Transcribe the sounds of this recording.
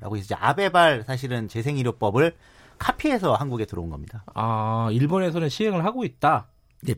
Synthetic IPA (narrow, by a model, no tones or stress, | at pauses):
ɾa̰ɡois͈ʌd͡ʑḛʔa̰be̞baɭsʰaɕ̬ʰiɾɯnt͡ɕe̞sʰe̞ŋiɾjop͈ʌbɯɭ | kʰapʰie̞sʰʌhanɡuɡe̞tɯɾʌunɡʌmɲidaaiɭbone̞s̬ʰʌnɯnɕʰiɦe̞ŋɯɭɦaɡoit̚t͈a | e